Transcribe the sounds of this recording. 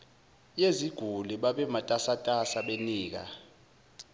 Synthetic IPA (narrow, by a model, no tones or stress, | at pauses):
jeziɡ̥ʱuliɓaɓɛmatʼasatʼasaɓeniːk̬a̰